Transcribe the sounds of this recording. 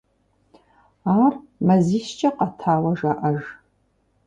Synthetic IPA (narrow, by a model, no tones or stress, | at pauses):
aːr | mɐziːʃt͡ʃʼɐqɐtʰaːwɐʒaːʔɐʒ